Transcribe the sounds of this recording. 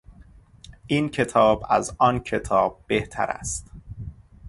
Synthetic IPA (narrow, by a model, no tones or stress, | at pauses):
ʔiːncʰe̞t̪ʰɒːbæ̰zɒːncʰe̞t̪ʰɒːb̥̚ːeht̪ʰæ̰ɾæ̰st̪